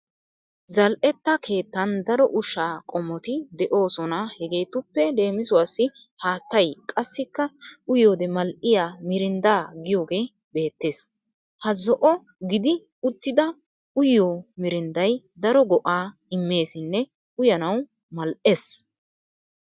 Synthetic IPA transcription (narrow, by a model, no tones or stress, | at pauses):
zɐlʔɛt̪ːɐkʰe̞ːt̪ːɐnd̪ɐɾɔʔʊʃːaːkʼɔmːɔt̪ɪd̪ɛʔo̞ːsɔnahɛɡe̞jt̪ʊpːɛle̞ːmɪsʊwaːsːɪ | haːt̪ːɐjkʼɐsːɪkːɐʊjoːd̪ɛmɐlʔɪjaːmɪɾɪnd̪aːɡɪjo̞ːɡe̞ː | be̞ːt̪ːe̞ːs | hɐzɔʔɔ | ɡɪd̪ɪ | ʊt̪ːɪd̪ɐ | ʊjːoːmɪɾɪnd̪ɐj | d̪ɐɾɔɡɔʔaːɪmːe̞ːsɪnːɛ | ʊjɐnɐw | mɐlʔeːs